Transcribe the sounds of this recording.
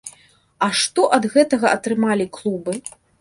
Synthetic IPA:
ɐʂt̪ɔʔɐd̪ɣɛt̪ɐɣɐʔɐt̪ɾɨmalʲiklˠubɨ

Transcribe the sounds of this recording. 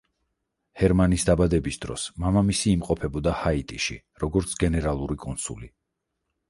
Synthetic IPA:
hɛɾmanisd̪abad̪ɛbisd̪ɾɔ̰smamamisiːmqʼɔpʰɛbɔd̪ahait̪ʼiʃḭ | ɾɔɡɔɾt̪sʰɡɛnɛɾalˠuɾikʼɔnsṵli

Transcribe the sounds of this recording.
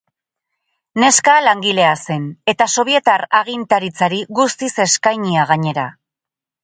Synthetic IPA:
ne̞skalaŋɡile̞ase̞ne̞t̪aso̞β̞ie̞t̪araɣ̞int̪aɾit͡saɾiɣust̪ise̞skajɲiaɣ̞aɲe̞ɾa

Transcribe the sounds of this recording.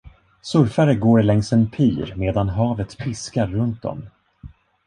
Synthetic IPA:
sɵɾfaɾəɡoːɾlɛŋsɛnpʰiːɾmeːd̪anɦɑːvət̪pʰɪskaɾːɵnt̪̚d̪ɔ̰m

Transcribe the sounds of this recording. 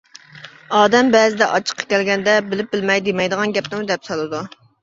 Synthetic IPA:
ɑːd̪ɛmbɛːzɪd̪ɛʔɑt͡ʃʰə̥qʰːɑ̥kʲɛlɡʲɛnd̪ɛbɪlɪp̚bɪlmɛjd̪emɛjd̪əʁɑnɡʲɛp̚t̪ɪmud̪ɛpsɑlˠɨd̪u

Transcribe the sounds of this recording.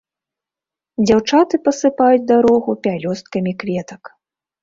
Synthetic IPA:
d͡zʲawt͡ʂat̪ɨpɐsɨpajud͡zʲd̪aɾɔɣupʲalʲɔst̪̚kɐmʲikvʲɛt̪ɐk

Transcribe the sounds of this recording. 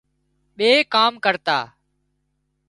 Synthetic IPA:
ɓeːkaːmkəɾt̪a̰ː

